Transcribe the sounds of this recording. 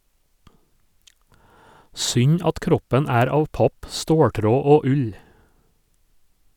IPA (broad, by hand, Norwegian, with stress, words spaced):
ˈsʏɲ ˈɑt ˈkɾɔpɛn ˈæːɾ ˈɑːʋ ˈpɑp ˈstoːˌʈɾoː ˈoː ˈʉʎ